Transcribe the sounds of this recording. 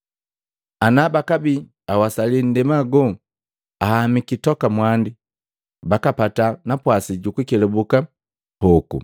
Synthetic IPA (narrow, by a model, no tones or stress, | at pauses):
anabakabi | awasalin̩dɛmaɡɔ | ahamikitɔkamwandi | bakapatanapwasiɟukukɛlɛbuka | hɔkṵ